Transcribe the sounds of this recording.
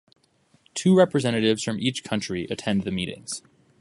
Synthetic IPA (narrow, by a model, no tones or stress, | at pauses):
tʰʉɹɛpɹɨzɛ̃ñɨɾɪvz̥fɹʌ̃mʔit͡ʃkʰʌ̃nt͡ʃɹ̥iʔɨtʰɛ̃nðɨmiɾɪ̰̃ŋz̥